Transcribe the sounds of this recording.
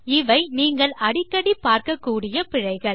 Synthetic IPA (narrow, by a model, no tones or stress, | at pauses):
ɪʋɐɪniːŋɡɐɭɐɽɪkːɐɽipːaːɾkɐkːuːɽɪjɐpɪɻɐɪɣɐɭ